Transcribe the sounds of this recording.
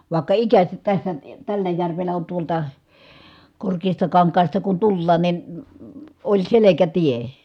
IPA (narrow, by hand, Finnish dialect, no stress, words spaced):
ʋɑˑekːɑ ikæsæt tæsːæ tælːæ jærʋelːæ on tuoltɑ korkeːstɑkɑŋkɑːstɑ kun tulːɑːn nin olʲ selekætie